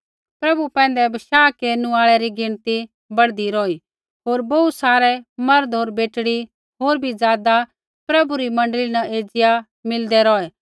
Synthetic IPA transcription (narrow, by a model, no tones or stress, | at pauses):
pɾɐbupɛ̃ːnd̪ɛbɐʃaːkeːnũaːɭɛɾiɡɪnt̪i | bɐɽd̪iɾɔːi | ɦoːɾbousaːɾɛmɐɾd̪ɦoːɾbeːʈɽi | ɦoːɾbʱid͡zjaːd̪a | pɾɐbuɾimɐ̃ɳɖlinaʔeːd͡zɪja | mɪld̪ɛɾɔːɛː